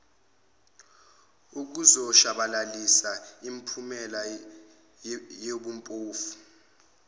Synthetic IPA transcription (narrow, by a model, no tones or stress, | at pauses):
uk̬uzɔʃaɓalalisaimpʰumɛla | jeɓumpʼoːfu̥